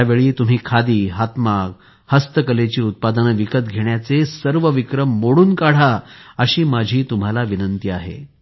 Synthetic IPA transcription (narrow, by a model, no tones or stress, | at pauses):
aʋeɭiːt̪um̤iːkʰad̪iːɦat̪mak | həst̪əkəlet͡ɕiːut̪̚pad̪ənʋikət̪̚ɡʱeɳjat͡sesəɾʋəʋikɾəmːoɽuːnkaɽ̤aəɕiːmad͡ʑʱiːt̪um̤alaʋinənt̪iaɦḛ